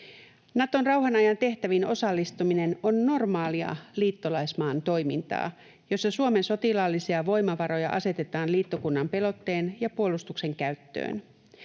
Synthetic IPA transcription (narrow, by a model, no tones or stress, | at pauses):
nɑt̪o̞nrɑwɦɑnɑjɑnt̪e̞ht̪æʋino̞sɑlːist̪umine̞no̞nːo̞rmɑːliɑ̰liːt̪ːolɑjsmɑːnt̪o̞jmint̪ɑ̰ː | jo̞sːɑsuome̞nso̞t̪ilɑlːisiɑʋo̞jmɑʋɑɾo̞jɑ̰ʔɑse̞t̪e̞t̪ɑːnliːt̪ːokunːɑmpe̞lo̞t̪ːe̞ːnjɑpuolust̪ukse̞ŋkæɥt̪ːø̰ːn